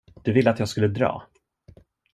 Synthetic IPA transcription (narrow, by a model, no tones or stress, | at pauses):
d̪̥ɵvɪlːəat̪jɑːɡskɵlːəd̪ɾɑ̰ː